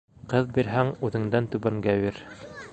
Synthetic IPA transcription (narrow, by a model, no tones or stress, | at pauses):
qɤðbiɾɦæŋʉðɘ̆ŋd̪ænt̪ʉβæŋɡæbiɾ